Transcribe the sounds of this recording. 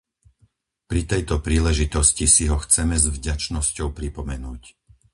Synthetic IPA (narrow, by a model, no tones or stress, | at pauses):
pɾit̪ɛjt̪ɔpɾiːlɛʒit̪ɔscisiɦɔxt͡sɛmɛzvɟat͡ʃnɔscɔʊpɾipɔmɛnuːc